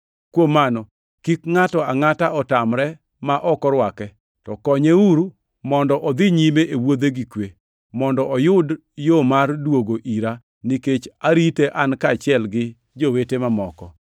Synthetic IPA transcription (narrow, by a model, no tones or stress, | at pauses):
kwomːanɔ | kikŋatɔaŋataɔtamɾɛ | maʔɔkɔɾwakɛ | tɔkɔɲeuɾu | mɔndɔʔɔd̪iɲimeʔewod̪eɡikwe | mɔndɔʔɔjʊd | jomardwoɡoʔiɾa | niket͡ʃaɾiteʔankat͡ʃɪɛlɡɪ | d͡ʒowetemamɔkɔ